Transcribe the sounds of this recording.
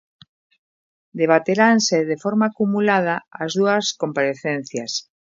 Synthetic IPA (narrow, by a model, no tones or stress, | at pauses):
d̪eβ̞at̪eɾanseðefoɾmaːkumulað̞aazðuɐskompaɾeθen̟θjas